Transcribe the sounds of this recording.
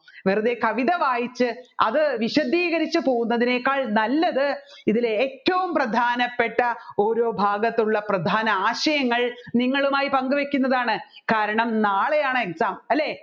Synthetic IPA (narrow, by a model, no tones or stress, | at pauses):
ʋerɨðekɐʋiðɐʋaːjit͡ɕːɨɐ̰ðɨʋiɕɐd̪iːɣɐɾit͡ɕːɨpo̞ːɣunːɐðine̞ːkːaːɭnɐlːɐðɨ | iðileːtːɐʋumprɐd̪ʱaːnɐpːe̞ʈːɐo̞ːɾo̞ːbʱaːɡɐt̪ːuɭːɐprɐd̪ʱaːnɐaːɕɐjɐŋːɐɭniŋːɐɭumaːjipɐŋɡɨʋekʲːunːɐðaːɳɨkaːɾɐɳɐmnaːɭe̞jaːɳɨeksaːmɐlːe̞ː